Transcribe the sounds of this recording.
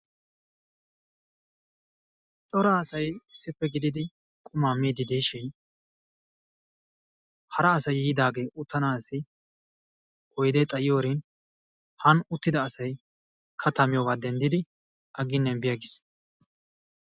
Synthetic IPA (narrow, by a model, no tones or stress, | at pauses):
t̪ʼɔɾaːɐsɐjɪsːɪpːɛɡɪd̪ɪd̪ɪ | kʼʊmaːmiːd̪ɪd̪iːʃɪn | hɐɾɐːsɐjiːd̪aːɡe̞ːʔʊt̪ːɐnaːsɪ | ʔɔjd̪ɛt̪ʼɐjɪjoːɾɪn | hɐnʊt̪ːɪd̪ɐːsɐj | kʰɐt̪ːɐmɪjoːɡaːd̪ɛnd̪ɪd̪ɪ | ʔɐɡɪnːɛnbɪjɐɡɪs